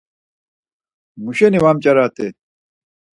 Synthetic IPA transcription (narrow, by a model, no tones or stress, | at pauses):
muɕeniwaːmt͡ɕɐɾaːt̪e